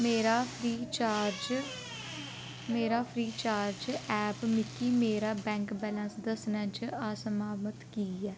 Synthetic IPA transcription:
meːɾaːpʰɾiːt͡ʃaːɾd͡ʒ | meːɾaːpʰɾiːt͡ʃaːɾd͡ʒɛːpmɪkːiːmeːɾaːbɛ̃ːŋkbɛːlə̃nsd̪əsnãːt͡ʃaːsəmaːmət̪kiːɛː

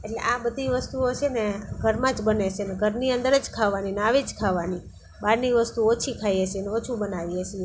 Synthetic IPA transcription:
eʈlḛʔabəd̪ʱiʋəst̪uot͡ʃʰeneɡʱəɾmãd͡ʒbənet͡ʃʰeneɡʱəɾniənd̪əɾəd͡ʒkʰaʋaninaʋid͡ʒkʰaʋani | baɾniʋəst̪uot͡ʃʰikʰajeʃeneot͡ʃʰubənaʋiəʃie

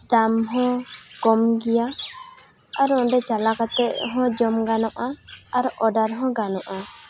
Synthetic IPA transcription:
d̪amɦɔ̃kɔmɡija | aɾɔɔ̃ɖɛt͡ʃalakat̪ɛʔɦɔ̃d͡ʒɔmɡanɔʔaaɾʔɔɖaɾɦɔ̃ɡanɔʔa

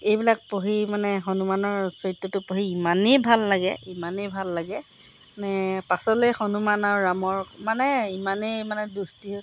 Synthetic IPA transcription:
ejbilak̚poɦimanɛxɔnumanɔɹsɔɹitːɔtʊpoɦiimanejbʱalːaɡɛ̰imanejbʱalːaɡɛ | nɛpasɔlojxonumanaɹʊɹamɔɹmanɛimanejmanɛdustiɦ

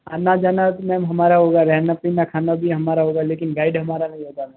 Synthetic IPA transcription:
anad͡ʒaːnamɛ̃ːmɦɐmaːɾaɦoːɡaɾɛːnəpinakʰaːnabʱiɦɐmaːɾaɦoːɡaleːkɪnɡaːɪɖɦɐmaːɾanɐɦĩɦoːɡa

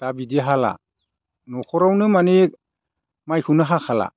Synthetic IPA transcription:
tabidiɦala̰ | nɔkʰɔɾawnɯmani | majkʰɯwnɯɦakʰala̰

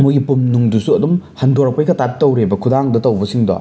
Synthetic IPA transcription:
mujɡipumnuŋdusuɐdumhɐndoɾɐk̚pɐjkɐtattːɐwɾebɐkʰudaŋdɐtɐwbɐsiŋdɔ̰

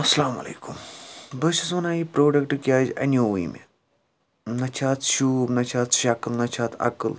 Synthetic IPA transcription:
ɐsɐlaːmɐ̰lḛːkumbəʃɐsʋɐnaipɾoːɖɐkʈɨkʲiaːd͡ʒɐ̰noʋḭmḛ | nɐt͡ʃʰaːt̪ʃuːbnɐt͡ʃʰaːt̪ʃakəlnɐt͡ʃʰaːt̪ʰɐ̰kɨl

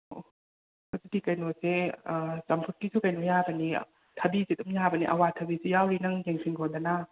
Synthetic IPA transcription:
o | hozidikɐjnosesɐmpʰut̚kisukɐjnojabɐni | tʰɐbizedumjabɐniʔɐ̰watʰɐbisujawɾinɐŋjeŋpʰiŋɡʰondɐna

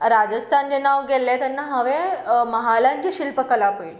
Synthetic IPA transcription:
ɾad͡ʑəst̪ʰand͡ʑenaʋɡelːet̪anːaɦəʋeməɦalãɲt͡ɕiɕilpəkəlapoil

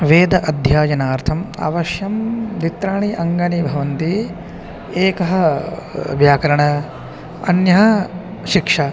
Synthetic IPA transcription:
ʋeːd̪ɐʔɐd̪ʱjaːjɐnaːɾt̪ʰɐma̰ːʋɐʃjɐmd̪it̪ɾaːɳiʔɐŋɡɐnibʱɐʋɐnt̪i | eːkɐɦɐ̆ | ʋjaːkɐɾɐɳɐ | ɐ̰njɐɦɐ̆ | ʃikʂa

